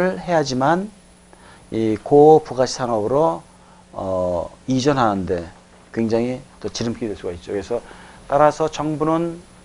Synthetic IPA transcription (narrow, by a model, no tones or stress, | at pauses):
ɯɭhe̞ɦad͡ʑiman | ikopuɡaɕʰi̥sʰaŋʌbɯɾo | ʌid͡ʑʌnɦanɯnde̞ | kwe̞ŋd͡ʑaŋɦit͈ʌt͡ɕiɾɯmk͈iidwe̞ɭs͈uɡait̚t͡ɕ͈okɯɾesʰʌt͈aɾasʰʌt͡ɕʌŋbunɯn